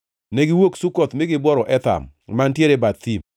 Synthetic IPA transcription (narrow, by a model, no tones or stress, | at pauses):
nɛɡɪwoksukɔt̪mɪɡɪbwɔɾɔʔɛt̪a̰m | mantjeɾebat̪ːim